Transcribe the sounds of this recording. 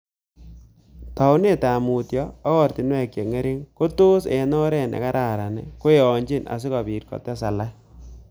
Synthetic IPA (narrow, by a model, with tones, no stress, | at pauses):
ta˨u˦ne˦ta˨mu˨tjɔ˦a˦kɔ˦˨rti˨n˦ɛ˦˨kje˨ŋe˦ɾi˦ŋko˦to˦sɛ˨nɔ˦ɾɛ˦˨nḛ˨ka˦ɾʔa˨ɾa˨nɛ̰˨ko˦e˨ɔ˨ɲd͡ʒi˦na̰˨s̬i˦ka˨bi˨ɾkɔ̰˨tɛ˦sa˨la˦